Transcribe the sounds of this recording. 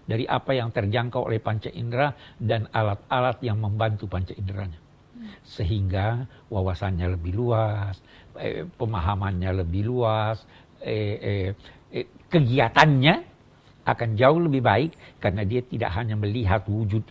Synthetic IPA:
daɾiʔa̰pajaŋt̪ərd͡ʒaŋkawʔo̰lɛhpaɲt͡ʃaʔindəɾadanalat̪̚alat̪jaŋməmbant̪upaɲt͡ʃaindəɾaɲa | səɦiŋɡa | wawasanɲaləbɪhluas | ə̰pəmaɦamanɲaləbɪhluas | əə | kəɡiat̪anɲa | akand͡ʒaʊhləbɪhbaɪkːarənadiat̪ida̰ʔɦaɲaməliɦat̪wud͡ʒʊt̪̚

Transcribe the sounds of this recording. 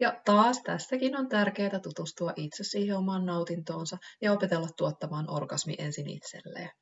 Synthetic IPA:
jɑt̪ɑːst̪æsːækino̞nt̪ærke̞ːt̪æt̪ut̪ust̪uɑʔit̪sesːiːheomɑːnːɑwt̪int̪o̞ːnsɑjɑo̞pe̞t̪e̞lːɑt̪ːuot̪ːɑmɑːnʔo̞̰rɡ̥ɑsmḭʔe̞̰nsinḭt̪sḛlːḛː

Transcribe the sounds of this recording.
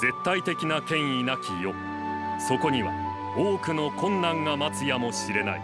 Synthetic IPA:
z̥e̞t̪ːait̪e̞kʲinakẽ̞ɰ̃inakʲijo̞ | so̞ko̞ɲ̟iβa̰ | oːkɯ̟no̞kõ̞nːãŋɡamat͡sɨjamo̞ɕiɾe̞na̰ḭ

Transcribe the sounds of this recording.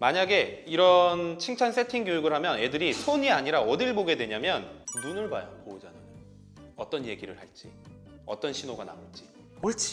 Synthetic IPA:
maɲaɡe̞iɾʌnt͡ɕʰiŋt͡ɕʰans͈ʰe̞tʰiŋɡjojuɡɯɭɦamjʌne̞dɯɾisʰoɲiaɲiɾaʌdiɭboɡe̞dwe̞ɲamjʌnːunɯɭbajokoud͡ʑanajo | ʌt͈ʌnje̞ɡiɾɯɭhaɭt͡ɕ͈i | ʌ̰t͈ʌnɕʰinoɡana̰ut͡ɕ͈i | ʌɭt͡ɕʰi̥

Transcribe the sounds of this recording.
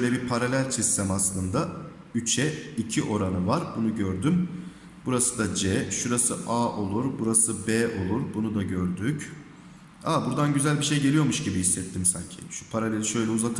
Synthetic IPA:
ʃøjlʲɛbipʰaɾalʲælʲsist̪ʰɛmaslˠɯnd̪a | yt͡ʃʰɛicʰiʔo̞ɾanɯvaɾbunuɟøɾd̪ym | buɾasɯd̪ad͡ʒɛʃuɾasɯʔaːʔo̞lˠuɾbuɾasɯbɛːʔo̞lˠuɾbunud̪aɟøɾd̪yc | abuɾd̪anɟyzælʲbiʃe̞jɟeijo̞muʃɟibihisːɛt̪ʰːimsa̰ɲcʰḭʃu̥pʰaɾalʲe̞lʲiʃø̞jlʲɛuzat̪ʰɯ

